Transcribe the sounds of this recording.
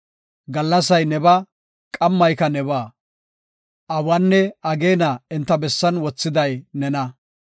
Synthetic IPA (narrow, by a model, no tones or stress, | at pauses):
ɡɐlːɐs̬ɐjnɛbɐ | kʼɐmːɐjkɐnɛβaː | ʔɐwɐnːɛɐɡeːnɐɪnt̪ːɐbɛsːɐnwɔt͡sːɪd̪ɐjnɛnɐ